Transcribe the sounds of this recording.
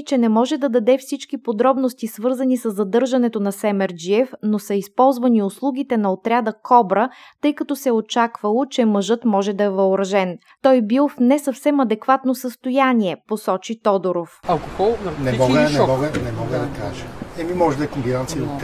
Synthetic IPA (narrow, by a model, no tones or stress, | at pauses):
t͡ʃɛnɛmɔʒɛd̪ɐd̪ɐd̪ɛfsit͡ʃkipod̪ɾɔbnost̪isvɤɾzɐnisəzːɐd̪ɤɾʒɐnɛt̪onɐsɛmɛɾd͡ʒiɛfnosɐispɔlˠzvɐniʊslˠuɡ̟it̪ɛnɐot̪ɾʲad̪ɐkʰɔbɾət̪ɤjkɐt̪ɔsɛot͡ʃakvɐlˠot͡ʃɛməʒɤt̪mɔʒɛd̪ɐɛvɐʊɾɐʒɛn | t̪ɔjbilˠfnɛsɐfsɛmɐd̪ɛkvat̪nosəst̪ojanʲiɛposɔt͡ʃit̪ɔd̪oɾofɐlˠkoxɔnɛmɔɡənɛmɔɡənɛmɔɡəd̪ɐkaʒəɛmimɔʒɛd̪ɐɛkombinant̪sijəo